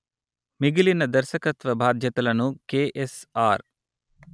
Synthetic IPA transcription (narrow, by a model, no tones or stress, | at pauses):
miɡilinɐd̪ɐɾʃɐkɐt̪ʋɐbʱaːd̪ʱjɐt̪ɐlɐnukeːʔesaːɾ